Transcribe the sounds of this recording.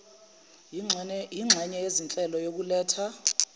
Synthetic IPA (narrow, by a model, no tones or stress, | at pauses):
jiŋ͡ǁʱɛɲɛjezint͡ɬʼɛlɔjok̬ulɛːtʰa